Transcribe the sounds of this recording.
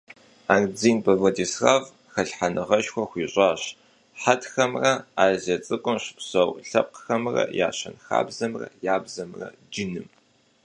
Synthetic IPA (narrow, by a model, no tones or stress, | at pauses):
aːŋd͡ziːnpʼɐvɐdisraːv | xɐɬħanɨʁɐʃxʷɔxʷiːɕʼaːɕ | ħatxɐmrɐaːzɐt͡sʼɨkʷʼʊmɕɪ̥psɐwɬɐp̚qxɐmrɐ̰ja̰ːɕɐ̰nxa̰ːbzɐmrɐ̰jaːbzɐmrɐ̰ | d͡ʒɪnɨm